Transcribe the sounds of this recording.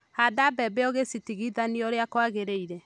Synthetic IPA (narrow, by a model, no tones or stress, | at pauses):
hadabɛbeɔɣesitiɣiðaniɔɾeakwaɣeɾeiɾɛ